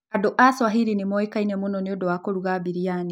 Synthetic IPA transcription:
adɔʔaswaɦiɾinimɔɛkainɛmunɔniɔdɔwakoɾuɣabiɾiani

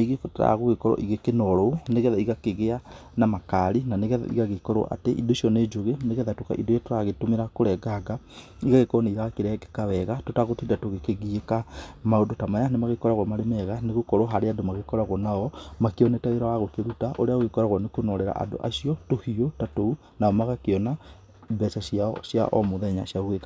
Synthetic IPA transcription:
neɣiekɔtta̰ɣoɣekɔɾɔ̰ʔiɣekenɔɾɔoneɣɛðaiɣakeɣeanamakaɾinaneɣɛða̰ʔḭɣaɣekɔɾɔ̰ʔa̰teʔḭndoiʃiɔned͡ʒoɣeneɣɛðatoka̰ʔḭdojetoɾaɣetomeɾakoɾɛɡaɡa | iɣaɣekɔɔneiɾaɣakeɾɛɡɛkawɛɣatotaɣotiːndatoɣekeɣiekamaodotamaɲanemaɣekɔɾaɣwɔmaɾemɛɣaneɣokɔɾoɦaɾeadomaɣekɔɾaɣwɔnaɔmakeɔnetaɣeɾawaɣokeɾutaʔoɾeaɣekɔɾaɣwɔnekonɔɾeɾa̰ʔa̰ndo̰ʔa̰ʃiɔtohiotatou | naɔmaɣakeɔna | bɛsasasja̰ʔɔ̰moðɛɲasiaɣweka

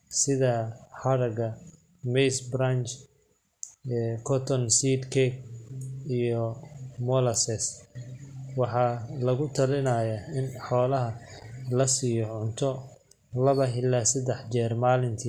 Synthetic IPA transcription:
sɪðɐħɐɾɐɡɐ | mɛjsbɾant͡ʃ | kʰɔt̪ʰɔnsid̪kʰɛɡ | ijɔmɔlɐsɛs | wɑħɑːlɐɣʊt̪ʰɐlɪnaːjaɪnħɔːlɐɦɐlɐsijɔʕʊnt̪ʰɔ | lɐβɐɦɪlːasɐd̪ɛħt͡ʃɛːrmaːlɪnt̪ʰi

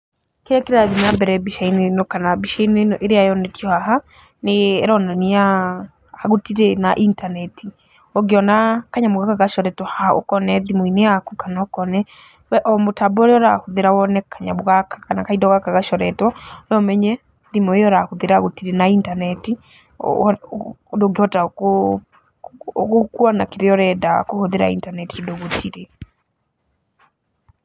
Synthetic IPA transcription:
keɾɛkeɾaðinambɛɾɛbiʃainenɔkanabiʃainenɔʔeɾeajɔnɛtjɔhaɦa | neɾɔnaniaː | ɣotiɾenaʔintanɛti | ɔɡeɔnakaɲamoɣakaɣaʃɔɾɛtwɔhahao̰kɔnɛðimɔineakukanaokɔnɛ | wɛʔɔmotabɔɾeɔɾa̰hoðeɾawɔnɛkaɲamoɣakakanakaidɔɣakaɣaʃɔɾɛtwɔnɔmɛɲɛ | ðimɔejɔɾahoðeɾaɣotiɾenaintanɛtḭ | doɡehɔta | ɣokuanakeɾeɔɾɛdakohoðeɾa̰ḭntanɛtiodoɣotʰiɾe

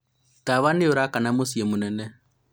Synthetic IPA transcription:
taβanɪoɾakanamusiemunɛnɛ

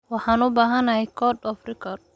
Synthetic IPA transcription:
wɑħaːnʊbaːɦɐnahɛkʰɔdɔfrikʰɔd̚

